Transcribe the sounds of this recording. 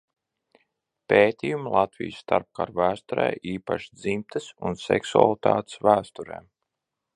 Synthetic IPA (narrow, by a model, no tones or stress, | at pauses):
peːt̪ʲiːjumlˠɑt̪vḭjsːt̪aɾp̚ka̰ɾvæːst̪ɔɾɛ̰ːʔiːpa̰ʃid̪zimt̪ɨsunsɛksua̰lˠit̪ʰaːt̪svæːst̪uɾḛːm